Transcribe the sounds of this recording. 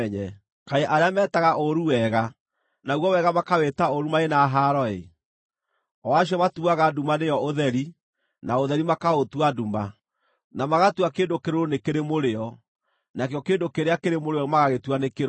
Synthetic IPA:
ɲɛ | kaeʔaɾeamɛːtaɣaʔoɾuwɛːɣa | nauɣɔwɛɣamakawetaoɾumaenaɦaɾɔḛ | ɔaɕjɔmatuaɣadumanejɔoðɛɾi | naoðɛɾimakaotwaduma | namaɣatwakeːndokeɾoɾonekeɾemoɾeɔ | nakeɔkeːndokeɾeakeɾemoɾeɔmaɣaɣetwanekeɾ

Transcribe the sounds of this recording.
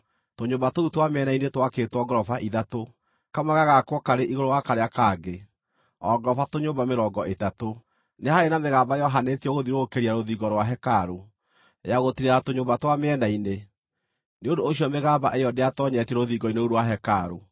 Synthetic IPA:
toɲoːmbatoutwameɛnainetwaketwɔɡɾɔfaʔiðato | kamaɣaɣakwɔkaɾeʔiɣoɾowakaɾeakaɡe | ɔɡɾɔfatoɲoːbameɾɔːɡɔʔetato | nehaenameɣaːmbajɔɦanetiɔɣoðiɾokeɾiaɾoðiɡɔɾwaɦɛkaɾo | jaɣotiɾeɾatoɲoːmbatwameɛnaine | neondooɕiɔmeɣaːmbaʔejɔdeatɔɲɛtɛɾoðiɡɔineuɾwaɦɛkaɾo

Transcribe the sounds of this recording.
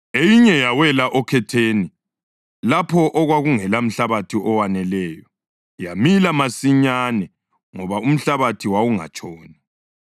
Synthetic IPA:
ejiɲɛjawɛlaʔɔkʰɛtʰeːni | lapʰɔʔɔɣwaɣuŋɛlam̩ɬaβatʰiʔɔwanɛlɛːjɔ | jamilamasiɲaːnɛ | ŋɔβaum̩ɬaβatʰiwawuŋa̰t͡ʃʼɔːni

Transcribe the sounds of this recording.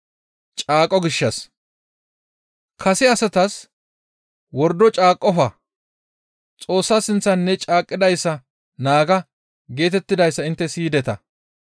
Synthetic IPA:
t͡ʃʼaːkʼːɔɡɪʃːɐs | kʰɐsɪɐsɐt̪ɐs | wɔɾd̪ɔt͡ʃʼaːkʼːɔfɐ | t͡sʼo̞ːsːasɪnt͡sːɐnːɛt͡ʃʼaːkʼːɪd̪ɐjsːɐ | naːɡɐ | ɡe̞ːt̪ɛt̪ːɪd̪ɐjsːɐɪnt̪ːɛsiːd̪ɛt̪ɐ

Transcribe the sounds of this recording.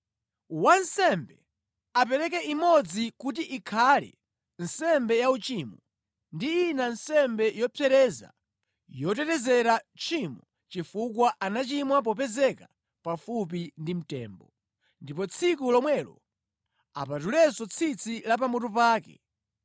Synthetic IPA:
wansɛmbɛ | ap̬ɛɾɛk̬ɛimɔd͡zikutiʔikʰalḭ | n̩sɛmbɛjaut͡ʃiːmɔ | ndiːnansɛmbɛjɔpʰɛɾɛza̰ | jɔt̬ɛtɛzɛɾat͡ʃʰimɔ | t͡ʃifukwaʔanat͡ʃimwap̬ɔpɛzɛka | pafup̬indim̩tɛ̰ːmbɔ | ndipɔt͡sʰikulɔmwɛlɔ̰ | a̰pat̬ulɛsɔt͡sʰit͡sʰilap̬amɔtɔp̬aːkɛ̰

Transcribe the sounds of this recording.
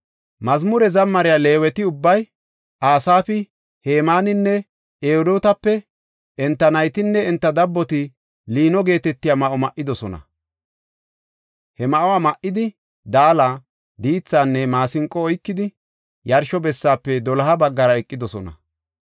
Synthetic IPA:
mɐzmʊɾɛzɐmːɐɾɪjaːle̞ːwɛt̪ɪʊbːɐj | aːsaːfɪ | heːmaːnɪnːɛ | ʔeːd̪oːt̪ɐpːɛ | ɛnt̪ːɐnɐjt̪ɪnːɛɛnt̪ːɐd̪ɐbːɔt̪ɪ | liːnɔɡe̞ːt̪ɛt̪ːɪjaːmɐʔɔmɐʔːɪd̪ɔsɔnɐ̰ | hɛmɐʔɔwaːmɐʔːɪd̪ɪ | d̪aːla | d̪iːt͡sːaːnːɛmaːsɪŋkʼːɔɔjkːɪd̪ɪ | jɐɾʃɔbɛsːaːpːɛd̪ɔlɐɦɐbɐɡːɐɾɐɛkʼːɪd̪ɔsɔnɐ̰

